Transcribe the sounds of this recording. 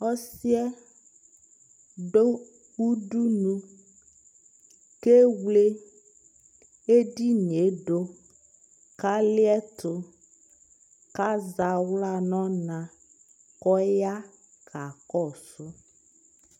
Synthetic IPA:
ɔ˦si˦ɛ˦ | be˦ | wu˦ɖu˦nũ˦ | ke˦wle˦ | e˦ɖi˦n˨e˨˦ɖo˦ | ka˦li˦ɛ˦t̪o˨ | ka˦za˨wla˦nɔ̃˦nã˨ | kɔ˦ja˦ | kʰa˨kɔ˦˨so˦

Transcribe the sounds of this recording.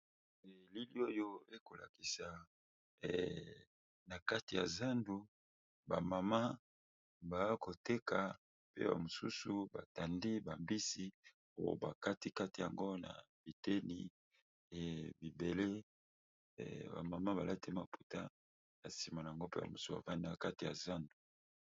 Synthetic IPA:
ɛ˨li˦li˦o˦jo˦e˦ko˨la̰˨ki˨sa˨ | ɛ˨ | na˨ka˦ti˨ja̰˨za˦ndu˦ | ba˨ma˨ma˦ | ba˨˦ko˨te˦ka˨ | pḛ˦ba̰˨mo˨sṵ˦su˨ba˨ta˨ndi˦ba˨mbi˦si˨ | o˦jo̰˨ba˨ka˦ti˦ka˦ti˨ja˨ŋɡo˦na̰˨ | b̥i˨te˦ni˨ | ɛ˨bi˨be˨le˦˨ | ba̰˨ma˨ma˦ba˨lʔa˦ti˦ma˨pu̥˨ta̰˦ | na˨si˨ma˨a˨a˨ŋɡo˦pe˦ba̰˨mu˨su˦ba̰˨va˦ndi˦a˨ka˦ti˨ja̰˨za˦ndu˨

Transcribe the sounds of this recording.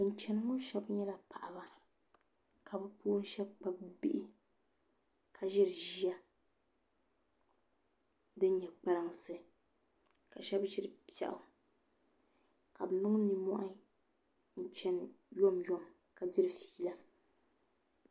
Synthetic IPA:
ɨ˨n̩˨˦t͡ʃɛ˨nɨ˦ŋʊ˦ʃɛ˦bɲɛ˦la˨pa̰˨ʔa˨ba˦ | kʰa˨bɨ˦puː˦n̩˦ʃɛ˦b̚k͡pa˦bbḭ˦ʔɪ˦ | kʰa˨ʒɪ˦ɾʒi˦a˦ | dɨ˦n˦ɲɛ˨k͡pa˦lɨ˦ŋ˨sɨ˦ | ka˨ʃɛ˦bʒɪ˦ɾɨ˦pɛ̰˨ʔʊ̰˨ | ka˨bnʊ˦ŋ˦ni˨mɔ̰˦ʔa˦ | n̩˦t͡ʃɛ˦njo˦mjo˦m | ka˨dɪ˦ɾɨ˨fi̥ː˦˨la˦

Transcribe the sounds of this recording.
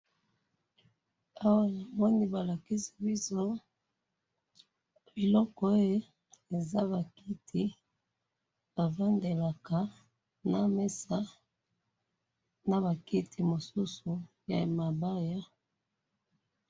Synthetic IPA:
a˦wa˦na˨mɔ˦ni˦ba˨la˨ki˦si̥˦bi˦so˦ | b̥i˨lɔ˦kɔ˦o˦je˦ | e˨za˦βa˨ki˦tʰi˦ | ba˨va˦nde˨la˨ka˨ | na˨me˦sa˦ | na˨βa˨ki˦tʰi˨mo˨su˦su˨ | ja̰˨ma˨ba˦ja˦

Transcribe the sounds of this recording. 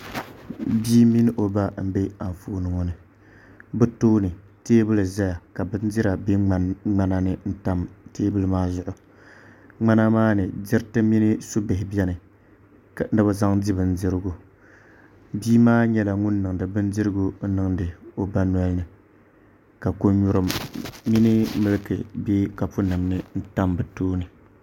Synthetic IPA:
biː˦mi˦nɨ˦ʔo˨ba˦m̩˦be˦a˨ɱ˨foː˦nɨ˨ŋɔ˨nɨ˨ | bɨ˦toː˦nɨ˨ | teː˦bɨ˦lɨ˨za˦ja˨ka˨bɨ˦n˦dɪ˦ɾa˨be˦a˨ŋ͡ma˦na˦nɨ˨n̩˦ta˦mteː˦bɨ˦lɨ˦maː˦zʊ˨ʔʊ˨ | ŋ͡ma˦na˦maː˦nɨ˨d͡ʒɪ˦ɾtɨ˦mi˦nɨ˦su˦bɪ˨ɦɪ˨bɛ˦nɨ˨ | knɨ˦ba˦za˦ŋdi˦bɨ˨n̩˦dɨ˦ɾɨ˦ɡu˦ | biː˦maː˦ɲɛ˦la˨ŋʊ˦nːɨ˨ŋ˨dɨ˨bɨ˦n˦dɨ˦ɾɨ˦ɡu˦nɨ˨ŋdɨ˨o˨ba˦nwɔ˦lnɨ˨ | ka˨ko˦ɲu˦ɾɨ˦mːi˦nɨ˦mɨ˦lɨ˦kɨ̰˨be˦ka˨pʊ˦nɨ˨mnɨ˦n̩˦ta˦mbɨ˨toː˦nɨ˨

